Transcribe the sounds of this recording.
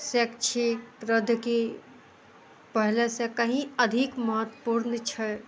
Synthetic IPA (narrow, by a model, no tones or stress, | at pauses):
sekt͡ʃʰekɾəd̪ʱke | pəɦlesekəɦĩəd̪ʱikməɦət̪ːəpuɾnt͡ʃʰə